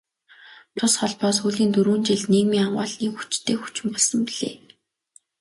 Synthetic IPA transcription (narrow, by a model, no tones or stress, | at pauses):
t̪ʰʊsχɔɮpɔːsxuɮiːnt̪uɾuːnt͡ɕiɮneːkmiːŋaɴɢa̰ːɮniːxu̥t͡ɕt̪ʰːeːxu̥t͡ɕɪ̆mpɔɮsə̆mpiɮḛː